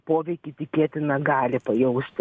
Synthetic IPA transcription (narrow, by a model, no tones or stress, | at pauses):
poːʋʲɛɪkʲɪt̪ʲɪkʲeːt̪ʲɪnɐɡɑːlʲɪpɐjɛʊsʲt̪ʲ